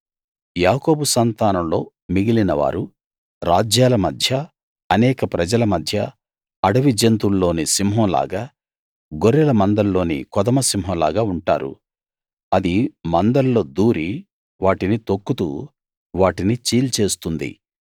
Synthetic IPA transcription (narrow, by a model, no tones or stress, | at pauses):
jaːko̞ːbusɐnt̪aːnɐmlo̞ː | miɡilinɐʋa̰ːɾu | ɾaːd͡ʒjaːlɐmɐd̪ʱjɐː | nɛːkɐpɾɐd͡ʒɐlɐmɐd̪ʱjɐ | ɐɽɐʋid͡ʒɐnt̪ulːo̞ːnisimɦõːla̰ːɡaː | ɡoɾɛlɐmɐnd̪ɐlːo̞ːnḭkɔd̪ɐmɐsimɦoːnla̰ːɡaːuɳʈa̰ːɾṵ | ɐd̪imɐnd̪ɐlːo̞ːd̪uːɾi | ʋaːʈinit̪okːut̪ṵː | ʋaːʈinit͡ʃiːlt͡ʃe̞ːst̪und̪ḭ